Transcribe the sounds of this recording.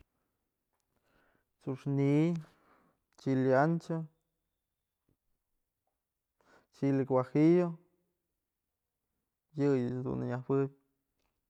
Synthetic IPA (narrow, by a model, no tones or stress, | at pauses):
t͡suʂni | t͡ʃiljant͡ʃo | t͡ʃilikwahijo | jɨjɨd̪ṵnɲahwɨbʲ